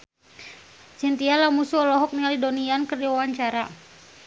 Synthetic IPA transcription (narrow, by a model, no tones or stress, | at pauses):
sint̪ialamusuɔlɔɦɔk̚niŋalidoniankərdiwawaɲt͡ʃaɾa